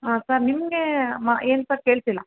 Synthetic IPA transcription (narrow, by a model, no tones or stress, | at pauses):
ɦaːsɐɾniməɡemaeːnt̪ɐke̞ːɭt̪ilːɐ